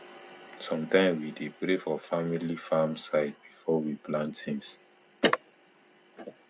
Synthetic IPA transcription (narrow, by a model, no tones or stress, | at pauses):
sɔ̃mtãɪ̃mwidepɾefɔfamilifamsaɪd̚bifɔwiplãntsĩns